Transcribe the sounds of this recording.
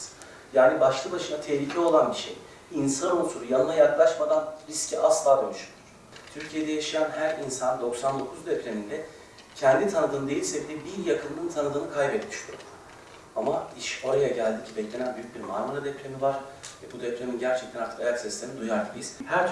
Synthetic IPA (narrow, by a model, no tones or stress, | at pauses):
jaːnibaʃlˠɯbaʃɯnat̪ʰɛhlʲicʰɛo̞lˠanbiʃḛj | insanonsuɾujanɯnˠajaklˠaʃmad̪anɾiscʰiʔaslˠaːɡonʲˠuʃynɾ̥ | t̪ʰyɾcʰijed̪ɛjaʃɯjanɦæɾinsand̪o̞ksand̪o̞kʰuzd̪ɛpɾenind̪ɛ | cʰɛnd̪it̪ʰanɯd̪ɯːnɯd̪ejilʲsɛbid̪ɛbiɾjakʰɯnːɯnt̪ʰanɯd̪ɯːnɯkʰajbɛt̪mi̥ʃt̪ʰʲyɾo | amaiʃo̞ɾajaɟælʲd̪icʰibɛclʲe̞nænbyjyc̚biɾmaɾmuɾad̪ɛpɾʲe̞mivaɾ̥vɛbud̪ɛpɾeminɟæɾt͡ʃʰɛc̚t̪ʰænak̪ˠajat̪sist̪ʰemid̪ujaɾt̪ʰɯjiz̥hæɾt̪ʰ